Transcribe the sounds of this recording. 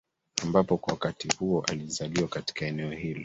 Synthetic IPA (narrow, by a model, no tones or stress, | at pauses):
ambapɔkwawakatihuɔʔalizaliwakati̥kaɛnɛɔhilɔ